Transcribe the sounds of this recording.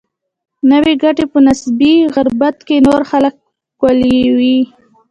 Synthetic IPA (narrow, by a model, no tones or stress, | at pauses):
nəweɡaʈepənasbiɣaɾbat̪kenoɾxalək̚ː | walewi